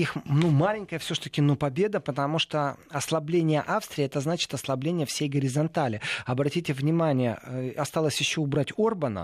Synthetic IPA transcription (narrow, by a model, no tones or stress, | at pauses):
ixnumalʲɪnʲkəjəfsʲoʂt̪əkʲɪnopɐbʲe̞d̪əpət̪ɐmuʂt̪oɐslˠɐblʲenʲɪjəʔafst̪ɾʲɪːɛt̪əznat͡ɕɪ̥t̪ɐslˠɐblʲenʲɪjəfsʲejɡəɾʲɪzɐnt̪alʲɪɐbɾɐtʲitʲɪvnʲɪmanʲɪjə̰ɐst̪alˠəsʲjɪɕːoʊbɾatʲorbənə̰